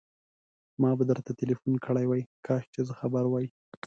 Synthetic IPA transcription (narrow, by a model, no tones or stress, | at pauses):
mɑbad̪əɾt̪at̪ɪlifunkəɽajwajkʰɑʃt͡ʃezəxabaɾwɑji